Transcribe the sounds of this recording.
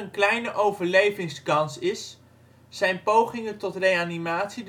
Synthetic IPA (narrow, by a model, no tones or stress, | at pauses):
ənklɛjnəʔowvəɹlejvɪŋskɑnsɪsː | ɛjnpowχɪŋəntɔtrejanimaːtsid